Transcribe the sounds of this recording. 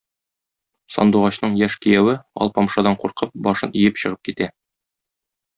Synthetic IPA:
sɒ̰nd̪uʁɑɕnɤɴjæʃkijæwɘɒ̰lˠpɒmʃɑd̪ɑɴquɾqɤp̚bɒʃɤnʔijɘpɕɤ̆ʁɤp̚kit̪æ

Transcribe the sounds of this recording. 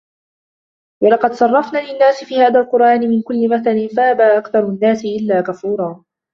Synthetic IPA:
wɑlɑqɑd̪sˤɑrˤːɑfnaːlɪnːaːsɪfiːhaːðaːlqʊɾˤʔaːnɪmɪnkʊlːɪmaθanɪnfahabaːʔakθɑɾˤnːaːsɪʔɪlːaːkafuːɾˤɑː

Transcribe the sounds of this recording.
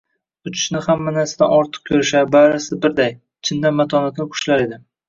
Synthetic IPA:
ʊt͡ʃʰɪ̥ʃnɪhamːanasɪd̪a̰nɒɾt̪ʰɨ̥q̚kʲʰɵɾɪʃabaɾasbɪɾd̪aj | t͡ʃʰɪnd̪anmat̪ʰɒnat̪nʲɪqʰʊ̥ʃlaɾe̞d̪ɪ

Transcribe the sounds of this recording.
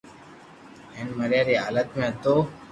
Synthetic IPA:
ɦeːnməɾjaːɾiːɦa̰ːlət̪mẽːət̪oː

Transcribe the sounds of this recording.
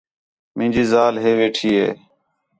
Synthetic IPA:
mɪ̃ːd͡ʒiːzaːlɦeːʋeːʈʰiːɦḛː

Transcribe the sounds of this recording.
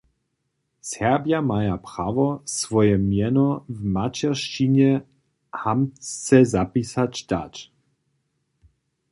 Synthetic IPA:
sɛʁbjamajapɾaːvɔsvɔjɛmjɛnɔvmat͡ʃɛʁʃt͡ʃiɲɛ | hamt͡st͡sɛzapisat͡ʃd̥̪a̰t͡ʃ

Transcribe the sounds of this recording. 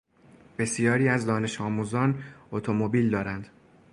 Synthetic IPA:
be̞sjɒːɾiːæzd̪ɒːne̞ʃɒːmuːzɒːnot̪ʰo̞mo̞biːld̪ɒːɾænd̪̥

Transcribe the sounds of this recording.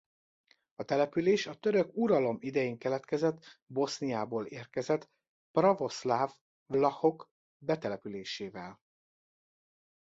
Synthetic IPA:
ɒt̪ɛlɛpyleːʃɒt̪øɾøkuɾɒlo̞mid̪ɛjeːŋkɛlɛt̪kɛzɛt̪ːbo̞snijaːboːleːrkɛzɛt̪ | prɒvo̞slaːv | vlɒho̞k | bɛt̪ɛlɛpyleːʃeːvɛl

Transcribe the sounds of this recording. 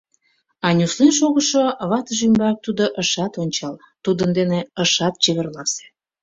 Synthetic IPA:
ɑnʲuslinʃoɣəʃoβɑt̪əʒymbɑk̚t̪ud̪oʔəʃɑt̪onʲt͡ɕɑl | t̪ud̪ənd̪eneəʃɑt̪̚t͡ɕeβĕrlɑse̥

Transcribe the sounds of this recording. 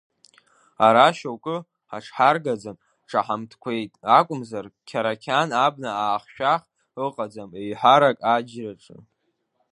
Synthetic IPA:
aɾaʃowkʷʼʊ | a̰ʈ͡ʂʰħarɡad͡zan | ʈ͡ʂʰaħamtʰkʷʰe̞jtʼakʷʼʊmzarkʲʰaɾakʲʰanab̚naaːχʃᶣaχ | ɨqʼad͡zamejħaɾakʼad͡ʒraʈ͡ʂʼɨ̰

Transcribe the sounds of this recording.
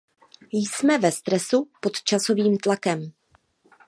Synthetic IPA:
jsmɛvɛst̪ɾɛsupo̞t̪t͡ʃaso̞viːmt̪lakɛm

